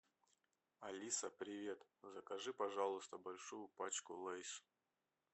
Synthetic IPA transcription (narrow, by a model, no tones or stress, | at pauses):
ɐlʲisəpɾʲɪvʲe̞t̪zəkɐʐɨpɐʐalˠʊst̪əbɐlʲʂujʊpat͡ɕkʊlˠajs